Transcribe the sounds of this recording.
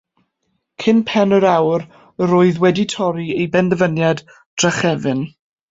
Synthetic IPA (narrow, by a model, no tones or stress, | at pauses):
kʰɪnpʰɛnəɾawr | əɾoːɨðwɛditʰɔɾiejbɛndəvənjad | d̥raχɛvɨn